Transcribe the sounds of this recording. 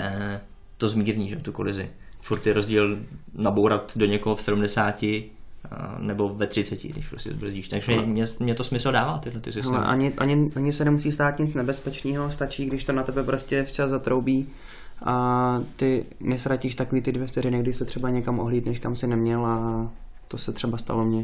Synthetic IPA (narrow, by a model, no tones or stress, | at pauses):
t̪ozmiːɾɲiːʒɛot̪uko̰lɪzɪ̰ | fuɾt̪ːɪɾo̞zɟiːlnabowɾat̪doɲɛkoɦofsɛdumdɛsaːcɪ | nɛbo̞vɛt̪r̝̥ɪt͡sɛcɪ̰ɡdɪ̰ʃpɾoscʲɛ̰zbr̩ziːʃt̪aɡʒɛmɲɛmɲɛt̪osmɪsl̩daːvaːt̪ɪdlɛt̪ɪsɪalɛ̰ʔa̰ɲɪʔaɲɪʔaɲɪsɛnɛmusiːst̪aːt̪ɲɪt͡snɛbɛspɛt͡ʃniːɦo̞st̪at͡ʃiːɡdɪʃt̪onat̪ɛbɛpɾo̞scʲɛft͡ʃaszzat̪ɾowbiː | ʔat̪ɪ | nɛst̪ɾaciːʃt̪akoviːt̪ɪdvjɛft͡sɛɾɪnɪɡ̚dɪʃsɛt̪r̥ɛbaɲɛkamʔoɦliːt̪nɛʃkamsɪnɛmɲɛlʔa | t̪osɛt̪r̥ɛbast̪a̰lo̞mɲɛ